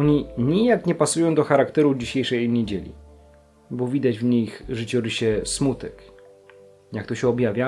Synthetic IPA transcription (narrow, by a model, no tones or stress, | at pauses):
ɔɲiɲijakɲɛpasujɔ̃w̃d̪ɔxaɾakt̪ɛɾud͡ʑiɕejʂɛjɲed͡ʑelʲḭ | bɔvʲid̪ad͡ʑvɲixʐɨt͡ɕuɾɘɕɛsmut̪ɛk | jak̚t̪ɔɕɛɔbjavʲja